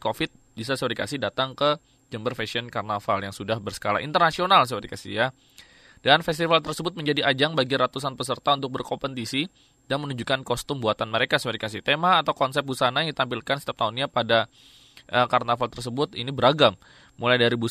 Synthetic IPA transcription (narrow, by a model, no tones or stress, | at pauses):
kofɪt̪̚ | bisasəoɾikasɪhdat̪aŋkə | d͡ʒəmbərfɛsiɔnkarnafaljaŋsudahbərsə̥kala̰ʔḭnt̪ərnasionals̬əuɾikasɪ̰hja | d̥anfɛst̪ifalt̪ərsəbʊt̪̚məɲd͡ʒadiʔad͡ʒaŋbaɡiɾat̪us̬anpəsərt̪aunt̪ʊk̚bərkɔmpənt̪isi | danmənuɲd͡ʒukankɔst̪ʊmbuat̪anməɾekasəoɾikasɪht̪emaːt̪awkɔnsɛp̚busanajaŋdit̪ampilkansi̥t̪iap̚t̪aunɲapada | ʔəkarnafalt̪ərs̬əbʊt̪ḭnibəɾaɡamː | ulajdaɾibu